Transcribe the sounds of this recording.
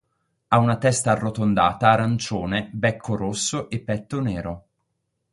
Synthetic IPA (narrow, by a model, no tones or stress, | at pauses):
aunat̪ɛst̪arːot̪ond̪a̰ːt̪aːɾant͡ʃoːnebɛkʰːoɾosːoʔepːɛt̪ːoneːɾo